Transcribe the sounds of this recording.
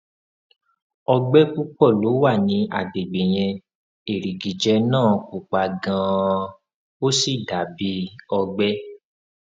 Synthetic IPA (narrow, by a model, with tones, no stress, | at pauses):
ɔ˧ɡ͡bɛ˦ku˦k͡pɔ˦˨lo˨˦wa˦˨nĩ˨˧˦ʔa̰˨de˨ɡ͡be˨j̃ɛ̃˧ | e˨ɾi˨ɡi˨d͡ʒɛ˧nãː˦˨ku˨k͡pa˨ɡã˧ | o˦si˦˨da˨˦bi˦ɔ˧ɡ͡bɛ˦